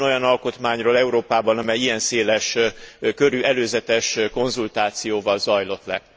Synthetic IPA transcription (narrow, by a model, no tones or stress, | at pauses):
no̞jɒnɒlko̞t̪maːɲroːlɛuɾoːpaːbɒnɒmɛjijɛnseːlɛʃkøɾyɛløːzɛt̪ɛʃko̞nzult̪aːt̪sijoːvɒlzɒjlo̞t̪lɛ̰